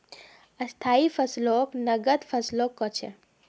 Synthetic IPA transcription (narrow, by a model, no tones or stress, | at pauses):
əst̪ʰaːifʰəsloknəɡət̪fʰəslokːɔt͡ʃʰḛ